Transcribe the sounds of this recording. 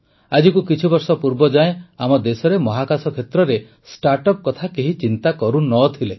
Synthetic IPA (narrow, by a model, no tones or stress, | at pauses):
ad͡ʒikukit͡ʃʰibɔɾsɔpuɾbɔd͡ʒaẽamɔd̪esɔɾemɔɦakasɔkʰet̪ɾɔɾe | sʈaɾʈɔp̚kɔt̪ʰakeɦit͡ʃint̪akɔɾunɔt̪ʰile